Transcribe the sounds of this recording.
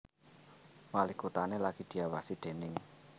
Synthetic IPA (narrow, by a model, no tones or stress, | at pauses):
malikut̪anelaɡ̥i̤d̪̥i̤awasid̪̥e̤nɪŋ